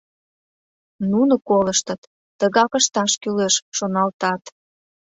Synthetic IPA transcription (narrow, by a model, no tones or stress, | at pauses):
nunokoləʃt̪ə̆t̪ː | əɣɑkəʃt̪ɑʃkyleʃʃonɑlt̪ɑt̪